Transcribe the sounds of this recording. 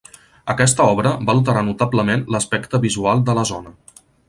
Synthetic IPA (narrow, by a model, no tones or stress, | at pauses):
əkɛst̪əɔβ̞ɾəbaəlˠt̪̬əɾanut̪abləmenləspɛkt̪əβizualˠd̪ələzonə